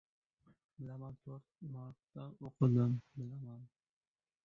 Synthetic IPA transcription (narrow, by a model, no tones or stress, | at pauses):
bɪlamant̪ʰoɾt̪̚maɾt̪ːaoqʰɨd̪ɪmbɪlaman